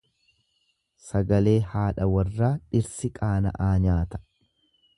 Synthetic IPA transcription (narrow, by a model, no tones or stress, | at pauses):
sɐɡɐle̞ːhaːᶑɐwɐrːaːᶑɪɾsɪkʼaːnɐ̰ʔaːɲaːt̪ɐ̥